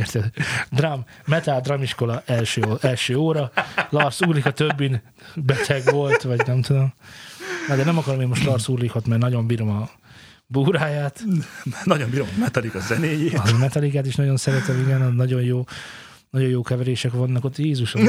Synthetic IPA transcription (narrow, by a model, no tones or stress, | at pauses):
ert̪ɛd̪d̪ramː | ɛt̪ald̪rɒmiʃko̞lɒɛlʃøːɛlʃøːoːɾɒlɒrsuːrlikɒt̪øbːin | bɛt̪ʰɛɡʋo̞lt̪ʋɒɟnɛmt̪ud̪o̞m | ɒd̪ɛnɛmɒkɒɾomeːnmo̞ʃt̪lɒrsuːrlikhot̪mɛrnɒɟo̞mbiːɾo̞mɒ | buːɾaːjaːt̪nɒɟo̞mbiːɾommɛt̪ɒlikɒzɛneːjeːmɛt̪ɒlikaːt̪iʃnɒɟo̞nsɛɾɛt̪ɛmiɡɛnnɒɟo̞jjoː | nɒɟo̞joːkɛvɛɾeːʃɛkʋɒnːɒko̞t̪ːjeːzuʃo